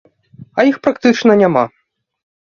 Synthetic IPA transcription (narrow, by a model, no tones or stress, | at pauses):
ɐjixpɾakt̪ɨt͡ʂnɐnʲama̰